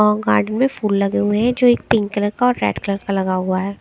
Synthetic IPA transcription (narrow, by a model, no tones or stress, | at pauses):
ɔɡaːɾɖənmẽfuːlːɐɡeɦʊeɦɛ̃d͡ʒoːeːk̚pɪ̃ŋkkələɾkaɔːɾːɛ̰ːɖkələɾkalɐɡaɦʊaɦɛː